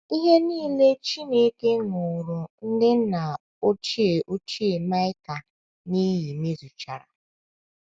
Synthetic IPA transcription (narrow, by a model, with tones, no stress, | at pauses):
i˦ɦe˦niː˦le˦t͡ʃi˦ne˨˦ke˦ŋʊ˨ɾʊ˨n̩˦dɪ˦na˨ | o˦t͡ʃi˦e˨ʔo˦t͡ʃi˦e˨ma˦ɪ˦ka˨ | ni˦ji˨me˦zu˨t͡ʃa˨ɾa̰˨